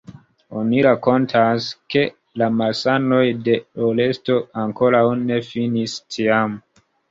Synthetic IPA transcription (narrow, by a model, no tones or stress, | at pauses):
o̞niɾako̞ntʰaske̞ | lamasano̞jde̞ole̞sto̞aŋko̞ɾawne̞finistʰiam